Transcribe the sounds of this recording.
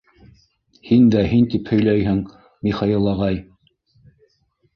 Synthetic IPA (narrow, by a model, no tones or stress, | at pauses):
hind̪æɦint̪iphɵ̆jlæjɦɘŋ | miχɑjilˠɑʁɑj